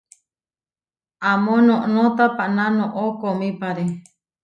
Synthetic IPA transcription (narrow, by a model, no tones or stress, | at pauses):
amõnõʔnõt̪apaʔnãnõʔokomĩpaɾe